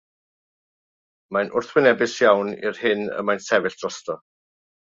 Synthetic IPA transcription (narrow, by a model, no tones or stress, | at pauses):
majnʔʊrθwɪnɛbɪsjawnḭrhɪnə̰majnsɛvɪɬd̥rɔstɔ